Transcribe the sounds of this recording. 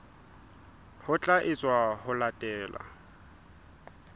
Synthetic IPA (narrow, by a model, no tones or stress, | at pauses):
hʊt͡ɬʼaʔɪt͡sʼwahʊlatʼɛːla̰